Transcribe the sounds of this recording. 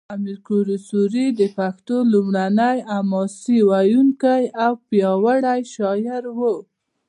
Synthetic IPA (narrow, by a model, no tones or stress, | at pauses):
amiɾkuɾusuɾid̪əpaxt̪olumɽanajamɑsiwajuŋkajawpjɑwaɽajʃɑjɪɾwu